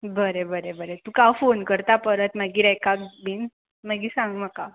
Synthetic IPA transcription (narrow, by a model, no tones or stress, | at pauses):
bəɾebəɾebəɾet̪ũkafonkəɾt̪apəɾət̪maɡiːɾɛjkak̚biːn | maɡiːsãŋɡm̤əka